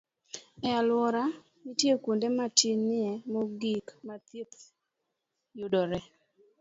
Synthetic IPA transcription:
ɛalwɔɾa | nitjekundematinɪɛmɔɡikmat̪it̪ | judɔɾɛ

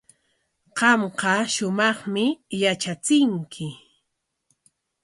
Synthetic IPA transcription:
qɑmqɑʃʊmɑχmɪjat͡ʃat͡sɪŋkʰɪ

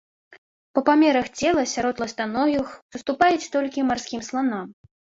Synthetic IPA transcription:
pɐpamʲɛɾɐxt͡sʲɛlˠɐsʲaɾɔt̪lˠɐst̪anɔjʲixsɨst̪upajɛt͡sʲt̪ɔlʲkʲimarskʲimslˠanɔm

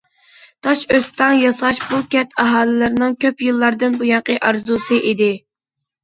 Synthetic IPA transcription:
t̪ʰɑʃøst̪ʰɑŋjɑsɑʃbukʲʰɛt̪ʰɑɦɑːlˠɨlɨɾnɨŋkʲʰøpjɨlˠːɑɾd̪ɨnbujɑɴqəʔɑɾzusɨʔid̪ɪ

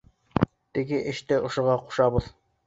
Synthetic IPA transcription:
t̪ɘ̆ɡɘʔɘ̆ʃt̪ɘʔŏʃŏʁɑqu̥ʃɑbɤð̥

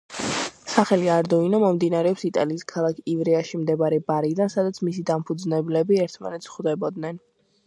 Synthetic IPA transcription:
saχɛliaɾd̪ɔinamɔmd̪inaɾɛɔpsit̪ʼa̰liːskʰalˠakʰivɾɛaʃimd̪ɛbaɾɛbaɾid̪ansad̪at̪sʰmisid̪ampʰud̪znɛblɛbiɛɾt̪ʰma̰nɛt̪sʰχwd̪ɛbɔd̪nɛn

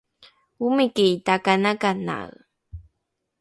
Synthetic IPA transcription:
umikiitakanakana̰ɰ

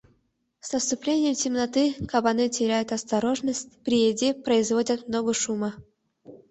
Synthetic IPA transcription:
snəst̪ʊplʲenʲɪjəmtʲɪmnɐt̪ɨkabɐnɨtʲɪɾʲæjʊt̪ɐst̪ɐɾoʐnəsʲtʲpɾʲɪjedʲepɾəɪzvodʲət̪mnoɡəʂumə

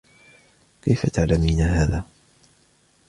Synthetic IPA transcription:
kajfat̪aʕlamiːnaːhaːðaː

